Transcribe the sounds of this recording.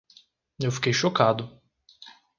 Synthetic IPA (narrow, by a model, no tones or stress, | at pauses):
ewfi̥kejʃokad̪ʊ